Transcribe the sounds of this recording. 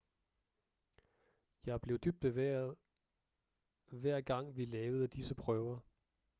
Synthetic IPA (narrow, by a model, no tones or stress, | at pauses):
jɑ̈ɪb̥le̝ʊd̥yb̥̚d̥eʋæːɐð̩ˠ | ʋæɐ̰ɡ̥ɑ̈ŋ̰ʋilɛːʊð̞̩ˠəd̥isəpʰʁœʊɐ